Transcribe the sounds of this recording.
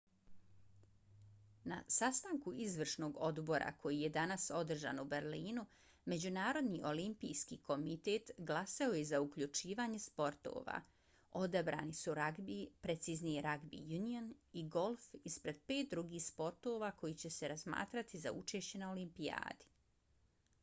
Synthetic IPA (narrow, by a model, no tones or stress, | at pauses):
na̰sast̪aːŋkuizʋr̩ʃno̞ːɡo̞d̪bo̞ɾa̰kʰo̞jije̞d̪anaso̞d̪r̩ʒa̰ːnubeɾliːnu | me̞d͡ʑunaːɾo̞d̪niʔo̞limpijskiːko̞mit̪e̞ːt̪ɡlˠasao̞jezaukʎut͡ʃiːʋaːɲe̞spo̞ɾt̪o̰ːʋa̰ | o̞d̪abɾa̰ːnisuɾaɡbipɾet̪sizniɾaɡbḭjunioniɡo̞lˠfispɾe̞d̪̥̚pe̞ːt̪̚d̪ɾuɡiːspo̞ɾt̪o̞ːʋako̞jit͡ɕe̞se̞ɾazma̰ːt̪ɾat̪iza̰ut͡ʃe̞ːʃt͡ɕe̞nao̞limpia̰ːd̪i̥